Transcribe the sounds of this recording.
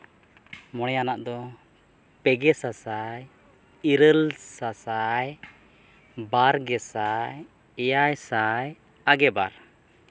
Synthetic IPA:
mɔɽ̃ɛjanaʔd̪ɔ | pɛɡɛsasaj | iɾəlsasaj | baɾɡɛsaj | ɛjajsaj | aɡɛba̰ɾ

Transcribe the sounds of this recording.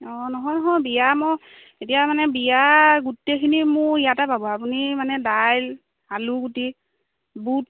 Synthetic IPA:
ɔnɔɦɔjnɔɦɔjbijamɔ | etijamanɛbijaɡutːekʰinimʊijatababɔapunimanɛdajl | aluɡuti | but̚

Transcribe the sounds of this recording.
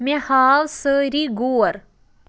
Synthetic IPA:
mẽhaːwsəːɾiɡuːɐɾ

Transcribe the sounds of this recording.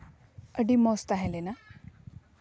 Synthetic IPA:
əɖimɔst̪aɦelena

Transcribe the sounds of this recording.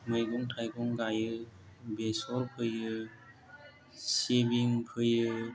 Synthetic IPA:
mɯjɡɔŋtʰajkʰɔŋɡajɯ | besɔɾpʰɯjɯ | sebiŋpʰɯjɯ

